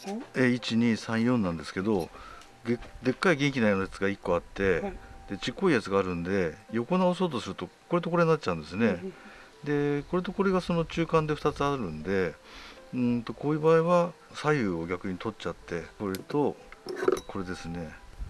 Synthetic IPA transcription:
eit͡ɕiɲ̟isãɰ̃jõ̞nːãnd̪e̞sɨ̥ke̞d̪o̞ | ɡed̪e̞kːaiɡeŋkʲinajonajat͡sɨɡaikːo̞at̪ːe̞d̪̥e̞t͡ɕikːo̞ijat͡sɨɡaːɾɯ̟̃nd̪e̞jo̞ko̞naoso̞ːt̪̬o̞sɨɾɯ̟t̪o̞ko̞ɾe̞t̪o̞koɾe̞ɲinat͡ɕːãnd̪esɨne̞ | d̪e̞ko̞ɾe̞t̪o̞ko̞ɾe̞ɡaso̞no̞t͡ɕɨːkãnd̪e̞ɸɯ̥t̪at͡sɨaɾɯ̟̃nd̪e̞ | ɯ̃t̪o̞koːjɯ̟ːbaːiβa | saiɯoɡʲakɯ̟ɲ̟it̪o̞tt͡ɕat̪ːe̞ko̞ɾet̪o̞ | kʰo̞ɾe̞d̪e̞sɨne̞

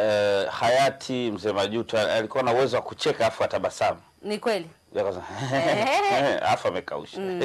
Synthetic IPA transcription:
ɛhajatʰim̩zɛːmaʄutɔaalikuwanauwɛzɔwakut͡ʃɛkaafuataɓasamanikwɛli | akasɛ | a̰fuamɛka̰ṵʃa

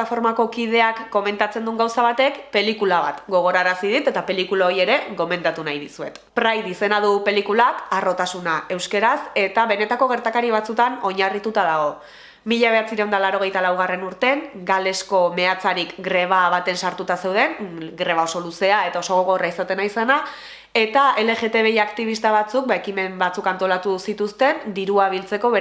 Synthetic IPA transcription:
afo̞ɾmako̞kið̞e̞akːo̞me̞nt̪at͡se̞nd̪uŋɡawsaβ̞at̪e̞kpe̞likulaβat̪ɡo̞ɣ̞o̞ɾaɾasið̞it̪e̞t̪ape̞likulao̞ɾje̞ɾe̞ɣo̞me̞nd̪at̪unajðisue̞̰t̪pɾajðise̞nað̞upe̞likulakaro̞t̪asunaʔe̞wske̞ɾase̞t̪aβe̞ne̞t̪ako̞ɣ̞e̞ɾt̪akaɾiβ̞at͡sut̪ano̞ɲarit̪ut̪aðaɣ̞o̞ | miʎaβe̞at͡siɾeond̪alaɾo̞ɣ̞e̞jt̪alawɣare̞nuɾt̪e̞ŋɡale̞sko̞me̞at͡saɾikɡɾe̞β̞aβat̪e̞nsaɾt̪ut̪ase̞wð̞e̞ŋɡɾe̞βao̞so̞luse̞ae̞t̪ao̞so̞ɣoɣo̞raisat̪e̞naisana | e̞t̪ae̞le̞ɣe̞t̪e̞β̞e̞iakt̪iβ̞ist̪aβ̞at͡suk̚baekime̞mbat͡sukant̪o̞lat̪usit̪ust̪e̞nd̪iɾuaβ̞ilt͡se̞ko̞βe

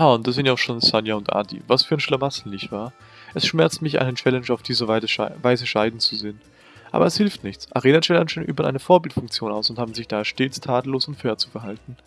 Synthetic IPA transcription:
jaːʊntd̥asz̥ɪnjaʊxʃoːnsanjaʊntʔa̰ːdḭːvasfyːɐnʃlamasn̩nɪçtv̥aːɐ | ʔɛsʃmɛɐt͡stmɪçʔa̰ɪnət͡ʃɛlɛnʃaʊfd̥iːzəəvaɪzəʃaɪdn̩t͡suzɪːən | ʔa̰ːbɐɛshɪlftnɪçt͡sʔa̰ʁeːnaʃɛlɐnʃənʔy̰ːbɐʔa̰ɪnəfoːɐbɪltfʊŋk̚t͡sjoːnaʊsʊnthaːbm̩zɪçd̥aːʃteːt͡stʰaːdl̩oːsʊntføːɐt͡sufɛɐɦaltn̩

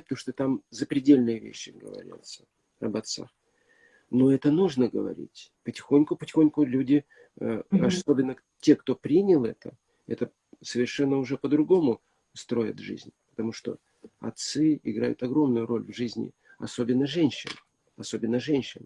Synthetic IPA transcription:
pət̪ɐmuʂt̪ot̪amzəpɾʲɪdʲelʲnɨjəvʲḛɕːɪɡə̰vɐ̰ɾʲḭt̪sə̥ | ɐ̰bɐt̪sa̰x | noɛt̪ənuʐnəɡəvɐ̰ɾʲḭtʲpətʲɪ̥xo̞nʲkʊpətʲɪ̥xo̞nʲkʊlʲudʲɪ | əɐso̞bʲɪnːə | tʲe̞kt̪o̞pɾʲinʲɪlˠɛt̪ə | ɛ̰t̪ə | səvʲɪrʂɛnːəʊʐɛpəd̪ɾʊɡo̞mʊ | st̪ɾo̞jɪ̰t̪ʐɨ̰zʲnʲpə̥t̪ɐmuʂt̪o̞̰ | ɐ̰t̪sɨɪɡɾa̰jʊ̰t̪ɐɡɾo̞mnʊjʊɾo̞lʲvʐɨzʲnʲɪ̰ | ɐso̞bʲɪnːəʐɛnʲɕːɪn | ɐso̞bʲɪnːəʐɛnʲɕːɪn

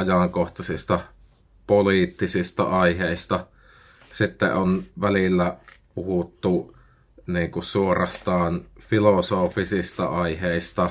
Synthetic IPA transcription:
ɑjɑŋkoht̪ɑsist̪ɑ | poliːˑt̪ːisist̪ɑ̰ɑiheˑist̪ɑ | sit̪ːḛʔonʋælilːæpuhut̪ːu | niːŋkussuorɑst̪ɑːnfilosoːfisist̪ɑ̰ɑiheˑist̪ɑ

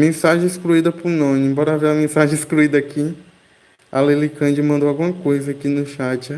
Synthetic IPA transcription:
mẽsaʒẽeskluid̪ɐpʊɾnõnɪẽmbɔɾɐaveɐmẽsaʒẽeskluid̪ɐaːkʰi | alelikɐ̃d͡ʒɪmɐ̃nd̪owawɡũmɐkojzɐakinʊʃad͡ʒɐ

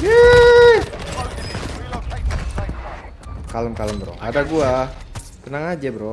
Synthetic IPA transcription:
je | kaləmkaləmbəɾɔ̰hadaɡua | kənaŋad͡ʒabəɾɔ

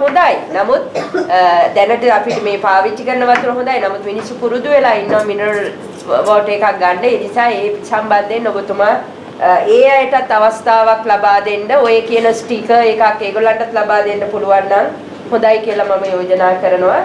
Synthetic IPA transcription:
ɦũnd̪aːjnamut̪ | d̪ɛnəʈəapiʈimeːpaːʋit͡ʃːikəɾənəʋat̪uɾəɦũnd̪aːjnamut̪ʋinisupuɾud̪uʋelaːinːəʋminə | ʋoːʈeːkak̚ɡaɳɖəed̪isaeːsamband̪enːoɡot̪uma | eːajəʈat̪ːaʋast̪ʰaːʋaklabaːd̪eɳɖəojekijənəsʈikəekakːeːɡolaɳʈat̪labaːd̪eɳɖəpuluʋanːaŋ | hũnd̪ajkijəlamaməjoːd͡ʒɐnaːkəɾənəʋa

